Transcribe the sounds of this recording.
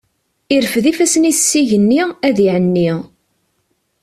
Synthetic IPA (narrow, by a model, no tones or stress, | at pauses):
iɾfðifæsəniθsːiʝənːiæðiʕənːi